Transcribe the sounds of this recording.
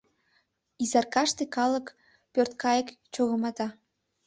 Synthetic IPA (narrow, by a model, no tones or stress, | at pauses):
izɑrkɑʃt̪ekɑlək | pørt̪̚kɑjəkt͡ɕoɣə̆mɑt̪ɑ